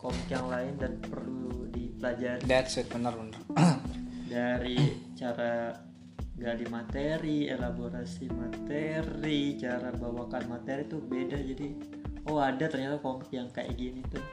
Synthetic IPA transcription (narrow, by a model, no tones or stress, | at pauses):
kɔmikjaŋlaɪndanpərludipəlad͡ʒaɾidat̪sɛt̪̚bənərbənər | daɾit͡ʃaɾa | ɡalimat̪eɾiḛlaboɾasimat̪eɾit͡ʃaɾabawakanmat̪eɾit̪ubedad͡ʒadi | oadat̪ərɲat̪akɔmɪkjaŋkaʔḭɡinit̪u